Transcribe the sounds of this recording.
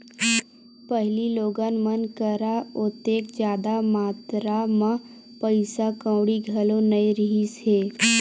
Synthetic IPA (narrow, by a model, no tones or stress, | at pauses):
pəɦliloːɡaːnmənkəɾaʊt̪eːkd͡ʒjaːd̪amaːt̪ɾamã | pəɪsakə̃ːɽiɡʱɐlõnəiɾɪɦiseː